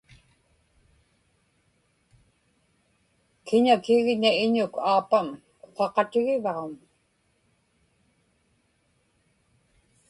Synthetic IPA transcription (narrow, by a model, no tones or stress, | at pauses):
kɪɲakɪɣɲaɪɲʊkʰaːpam | oqɑqɑt̪ɪɣɪvɑʁom